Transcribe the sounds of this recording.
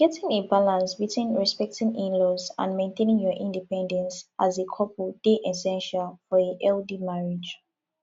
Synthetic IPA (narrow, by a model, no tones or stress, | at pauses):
ɡ̥ɛtɪ̃ŋebalãnsbitʰwĩnɹɛspɛk̚tɪ̃ŋĩnlɔzã̰nmẽntʰẽnĩŋjɔʔĩndipɛ̃ndɛ̃nsʔazekʰɔpud̥eʔɛsɛ̃nʃalfɔeʔɛldimaɹi̥d͡ʒ